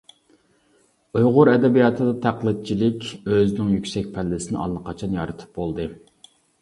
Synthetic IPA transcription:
ujʁʊɾɛd̪ɛbijɑt̪ʰɨd̪ɑt̪ʰæqlˠɨt̪̚t͡ʃʰilɪkʲøznɪŋjykʲsɛk̚ʲpʰɛlːɪsɪnɪ̰ɑ̰lˠːəqʰɑt͡ʃʰɑnjɑɾɨt̪ʰɨ̥p̚bolˠd̪ɨ

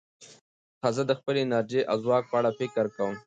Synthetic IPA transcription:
t̪ʰɑzad̪əxpəlenɑɾd͡ʒeʔa̰wzwɑk̚pəaɽafɪkɾkawəm

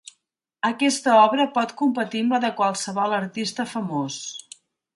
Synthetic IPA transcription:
əkɛst̪əɔβɾəpɔt̪kumpət̪imbəðəkwalˠsəβɔlˠəɾt̪ist̪əfəmos

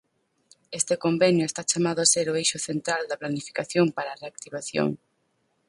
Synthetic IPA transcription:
est̪ekombɛnjʊest̪at͡ʃamaðʊaseɾoejʃʊθent̪ɾald̪ɐplanifi̥kaθjoŋpaɾaːreak̚t̪iβaθjo̰ŋ

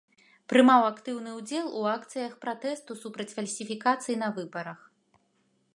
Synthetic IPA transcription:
pɾɨmawakt̪ɨwnɨud͡zʲɛlˠuakt̪sɨjɐxpɾat̪ɛst̪usupɾɐt͡sʲfɐlʲsʲifʲikat̪sɨjin̪ɐvɨbɐɾɐx

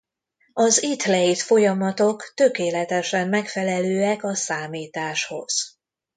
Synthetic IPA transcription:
ɒzit̪lɛit̪fo̞jɒmɒt̪okt̪økeːlɛt̪ɛʃɛmːɛkfɛlɛløːɛkɒsaːmiːt̪aːʃho̞̰z̥

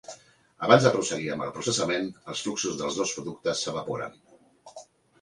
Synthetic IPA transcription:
əβanzðəpɾusəɣiəmbə̰lˠpɾusəsəmenəlˠsfluksuzðəlˠzðospɾuðuk̚t̪əsːəβ̞əpoɾə̰n

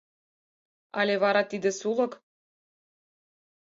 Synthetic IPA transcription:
ɑ̰lʲeβɑɾɑt̪id̪ɘ̆sulˠɤ̆k

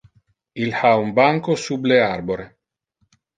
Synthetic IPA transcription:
ilhaumbaŋkosublearboɾe

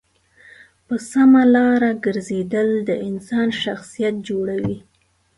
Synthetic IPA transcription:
pəsamalɑɾaɡəɾzed̪əld̪əʔɪnsɑnʃaxsijat̪̚d͡ʒoɽawi

